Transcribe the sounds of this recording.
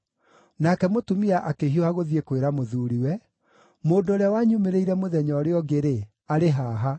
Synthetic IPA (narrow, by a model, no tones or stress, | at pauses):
nakɛmotumiaʔakeɦioaɣoðiekweɾamoðuːɾiwɛ | moːndoːɾjawaɲumeɾeiɾɛmoðɛɲɔːɾeɔɡeɾe | aɾeɦaːɦa